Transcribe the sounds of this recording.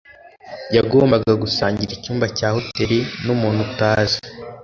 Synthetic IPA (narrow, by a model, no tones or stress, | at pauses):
jaɡoːmbaɡaɡusaːɲɟiɾicuːmbacaːho̞teɾinumuːnhutaːze̥